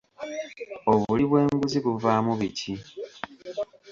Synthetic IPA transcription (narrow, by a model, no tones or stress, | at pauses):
o̞βuliβwe̞ːŋɡuziβuvaːmuβicʰi